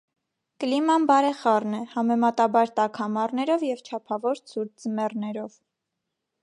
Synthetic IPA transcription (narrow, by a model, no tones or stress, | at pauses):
kəlimɑnbɑɾɛχɑrnɛhɑmɛmɑt̪ɑbɑɾt̪ɑkʰhɑmɑrnɛɾɔvjɛvt͡ʃʰɑpʰɑvɔɾt͡sʰuɾd͡zəmɛrnɛɾɔv